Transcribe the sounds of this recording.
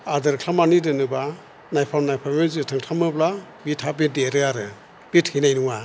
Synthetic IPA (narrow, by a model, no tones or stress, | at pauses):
adɯɾkʰamanidɯnɯba | najpʰamnajpʰamenzɯtʰɯŋtʰamɯbla | bitʰabideɾɯaɾɯ | b̥ithinajnuŋa